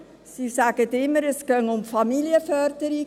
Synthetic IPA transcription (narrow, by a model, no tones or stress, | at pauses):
sisæɡətɪmːəɾɛskœŋʊmfɑmiliəfœɾd̥əɾi